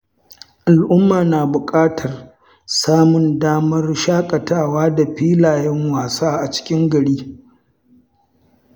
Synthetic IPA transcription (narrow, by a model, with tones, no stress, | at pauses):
ʔa˨lʔʊ˦mːaː˨naː˨bʊ˨kʼaː˦tʰɐ˨r | saː˦mʊ˨ndaː˦mɐ˦rʃaː˦kʼɐ˨taː˦˨waː˦da˨ɸiː˦laː˨jɛ˦ŋwaː˨saː˦ʔa˨t͡ʃɪ̥˦kʲɪ˦ŋɡɐ˨ɽiː˦